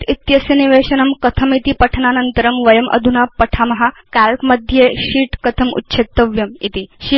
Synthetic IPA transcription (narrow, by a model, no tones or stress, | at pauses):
it̪jɐsjɐniʋeːɕɐnɐmkɐt̪ʰɐmit̪ipɐʈʰnanɐnt̪əɾɐmʋɐjɐmʔɐ̰d̪ʱunapɐʈʰamɐɦakælkmɐd̪ʱjeɕiːʈkɐt̪ʰɐmṵtːɕʰet̪ːɐʋjɐmit̪iɕi